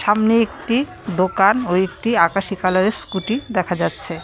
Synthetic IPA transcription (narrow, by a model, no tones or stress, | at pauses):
ʃamneek̚ʈi | d̪okanoek̚ʈiakaʃikalaɾeɾskuʈid̪ɛkʰad͡ʑatːɕʰe